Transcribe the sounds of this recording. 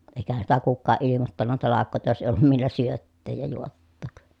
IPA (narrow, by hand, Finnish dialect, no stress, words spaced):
eˑi̯kæhæn sitæ kukːɑːʔ ʔilimotːɑnːɑ tɑlɑkːoˑi̯tɑ jos eˑi olːum milːæ syøtːeːj jɑ juotːoˑk